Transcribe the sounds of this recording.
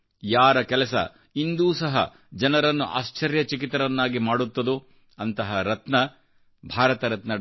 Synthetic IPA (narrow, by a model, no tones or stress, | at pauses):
jaːɾɐkɛlɐsɐ̰ | ind̪uːsɐɦɐ̰ | d͡ʒɐnɐɾɐnːuʔa̰ːst͡ʃɐɾjɐt͡ʃik̬it̪ɐɾɐnːaːɡimaːɽut̪ːɐd̪u | ɐnt̪ɐɦɐɾɐt̪nɐ | bʱaːɾɐt̪ɐɾɐt̪nɐ